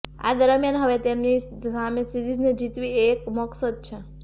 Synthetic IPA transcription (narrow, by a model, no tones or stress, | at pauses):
a̰d̪əɾəmjanɦəʋet̪emni | amesiɾid͡ʒned͡ʒit̪ʋiekmɔksəd̪̚t͡ʃʰe